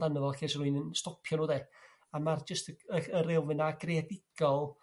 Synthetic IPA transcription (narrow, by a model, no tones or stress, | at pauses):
danəvɛlˠkesɾuɨnənstɔpʰjɔnuːðe | amard͡ʒəstəəəɾɪlˠvɨnaɡ̥redɪɡ̥ɔlˠ